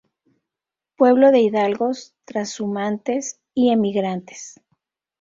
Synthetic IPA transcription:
pwe̞βlo̞ðe̞iðalɣo̞st̪ɾasumant̪e̞s | ie̞miɣɾant̪e̥s

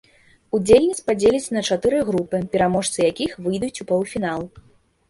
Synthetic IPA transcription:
ud͡zʲelʲnʲit̪sʲpad͡zʲelʲit͡sʲnɐt͡ʂat̪ɨɾɨɣɾupɨpʲɛɾamɔʂt̪sɨjakʲixvɨjd̪ut͡sʲupɔwfʲin̪alˠ

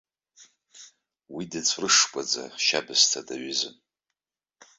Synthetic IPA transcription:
widɨt͡sʷʰrɨʂkʷʼad͡za̰ʃabɨztʰadaɥɪzɨn

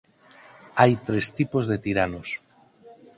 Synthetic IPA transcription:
ajt̪ɾest̪ipozðet̪iɾanos

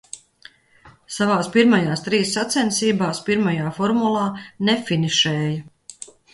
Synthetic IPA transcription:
savaːspiɾmajaːst̪ɾiːsːat̪sɛnsiːbaːspiɾmajaːfɔɾmulˠaːnɛfiniʃɛːja

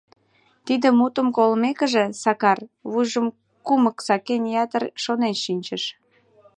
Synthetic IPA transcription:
t̪id̪əmut̪əmkolmekəʒĕsɑkɑrβujʒəm | kuməksɑkenjɑt̪ərʃonenʃinʲt͡ɕəʃ

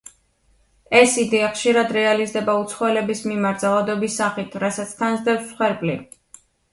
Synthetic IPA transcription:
ɛsid̪ɛaχʃiɾad̪ɾɛalizd̪ɛbaut̪sʰχɔɛlɛbismimaɾt̪̚zalˠad̪ɔbisːaχit̪ʰɾasat̪sʰt̪ʰanzd̪ɛpsːχwɛɾbʼli

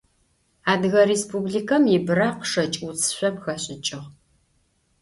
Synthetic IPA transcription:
aːdɣɐɾeːspubɮikʰɐmjɪbɨɾaːqʂɐt͡ʃʼut͡sʼʰɨ̥ɕʷɐmxɐɕʼɪt͡ʃʼɪʁ

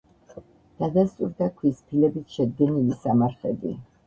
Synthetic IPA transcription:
d̪̥ad̪ast̪ʼṵɾd̪akʰwispʰilɛbisʃɛd̪̚ɡɛnilisamaɾχɛb̪ḭ

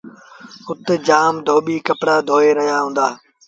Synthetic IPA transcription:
ʊt̪ed͡ʒaːmd̪ʱoːɓiːkəpɽaːd̪ʱoːeːɾəɦjaːɦũːnd̪aː

